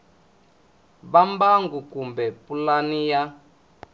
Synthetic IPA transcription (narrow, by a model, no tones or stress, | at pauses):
βambaŋɡukumbɛpulanija